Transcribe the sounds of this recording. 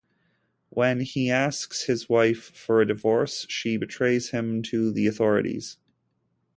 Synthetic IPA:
wʔɨ̃niæskshɨzwaɪfə˞ɨdɨvɔɹsʃibɨtʰɹ̥eɪz̥hɪ̃mtʰɨðiɨθɔɹɨ̰ɾḭz̥

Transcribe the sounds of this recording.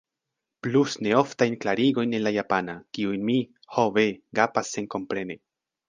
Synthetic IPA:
plusne̞o̞ftajnklaɾiɡo̞jnelːajapanakiujnmi | hoveɡapasːenko̞mpɾe̞ne

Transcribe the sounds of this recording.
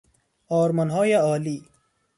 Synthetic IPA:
ɔːɾmɐnɦɔːjaɔːli

